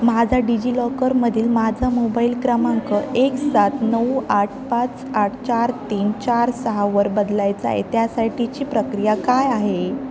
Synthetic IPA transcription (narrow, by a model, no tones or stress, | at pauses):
mad͡zʱaɖid͡ʑilɔkəɾməd̪ʱiːlmad͡zʱamobailkɾəmaŋkəʔeksat̪nəwaʈʰpat͡saʈʰt͡ɕaɾt̪iːnt͡ɕaɾsəɦaʋəɾbəd̪lajt͡sa̰ɦḛt̪jasaʈit͡ɕiːpɾəkɾijakajaɦe